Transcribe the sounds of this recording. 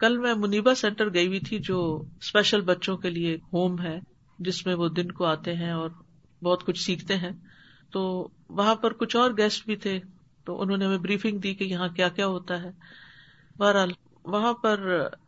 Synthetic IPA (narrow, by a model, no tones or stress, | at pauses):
kɐlmɛ̃mʊniːbasɛ̃ːɳʈəɾɡɐibit̪ʰid͡ʒoːspɛːʃəlbɐtːʃõkelieːkɦoːmɦɛː | d͡ʒɪsmẽʋod̪ɪnkoaːt̪eɦɛ̃ɔːɾ | bɔːt̪kʊt͡ʃʰsiːkʰt̪eɦɛ̃ː | t̪oːʋɐɦãpɐɾkʊt͡ʃʰɔːɾɡɛːsʈ̚bʱit̪ʰe | t̪o̰ːʔʊ̰nɦõːneɦɐmẽbɾiːfɪ̃ŋɡd̪iːkejɐɦãkjaːkjaːɦoːt̪aɦɛː | baːɾɦaːl | ʋɐɦãpɐɾ